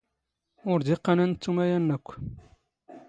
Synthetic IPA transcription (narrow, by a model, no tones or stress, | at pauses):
ʊɾd̪iqːɑnænt͡s̪ːumæjænːækʷː